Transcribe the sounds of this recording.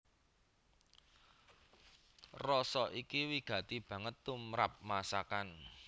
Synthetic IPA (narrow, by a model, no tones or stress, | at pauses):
rɔsɔʔikiwiɡ̥ä̤t̪ib̥ä̤ŋət̪ːumɾa̰p̚masakan